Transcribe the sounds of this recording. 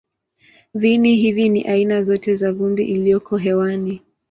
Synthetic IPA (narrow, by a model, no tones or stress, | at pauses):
ðiniɦivinḭʔainazɔtɛzaɣumbḭʔilijɔkɔɦɛwani